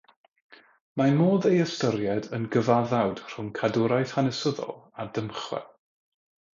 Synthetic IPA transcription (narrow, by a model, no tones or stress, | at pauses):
manmoːðejəstəɾjɛdənɡəvaðawd̥r̥ʊŋkʰadʊɾajθhanɛsəðɔ̰lˠadəmχwɛ̰